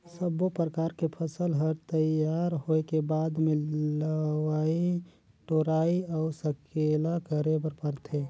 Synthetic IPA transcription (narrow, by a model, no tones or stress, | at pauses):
səbːopɾəkaːɾkepʰəsəlɦəɾt̪əjjaːɾɦoekebaːd̪mẽləwaːi | ʈoɾaːiɔːɾsəkʰelakəɾebəɾpəɾt̪ʰe